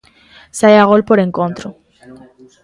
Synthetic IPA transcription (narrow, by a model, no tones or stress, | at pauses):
sajaɣ̞olpoɾeŋkõnt̪ɾo